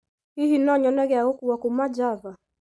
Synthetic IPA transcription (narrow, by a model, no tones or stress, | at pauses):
hihinɔɲɔnɛɣɛaɣɔkuwakumad͡ʒava